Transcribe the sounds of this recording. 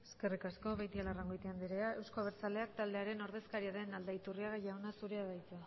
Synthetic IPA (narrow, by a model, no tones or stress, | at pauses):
eske̞rikasko̞βejt̪ialaraŋɡojt̪iand̪iɾeae̞wsko̞βeɾt͡sale̞akt̪ald̪e̞aɾe̞no̞ɾðe̞skaɾiaðe̞nald̪ait̪uriaɣaʝawnasuɾeaðajt͡s̪e